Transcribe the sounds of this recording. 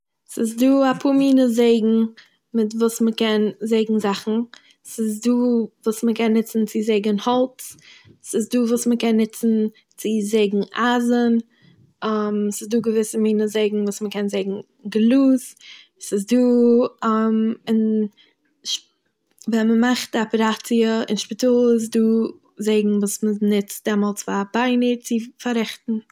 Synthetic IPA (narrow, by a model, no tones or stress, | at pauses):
sɪs̬duːapʰuːmiːnəzeɪɡŋ̩ | mɪtvuːsməkɛnzeɪɡŋ̩zaχn̩ | sɪs̬duːvuːsməkɛnːɪt͡sn̩t͡sɪzeɪɡənhɔlˠt͡ssɪsduːvuːsməkɛnːɪt͡sn̩ | t͡sɪzeɪɡŋ̩ʔazən | amsɪsduːɡəvɪsəmiːnəzeɪɡŋ̩vuːsməkɛnzeɪɡŋ̩ | ɡlˠuːz | sɪs̬duːamɪn | ʃ | vɛməmaχtapəɾat͡siəɪ̰nʃpɪtulˠɪs̬duː | zeɪɡŋ̩vuːsmənɪt͡std̥ɛmɔlˠt͡sfabaɪnət͡sɪfaɾɛχtn̩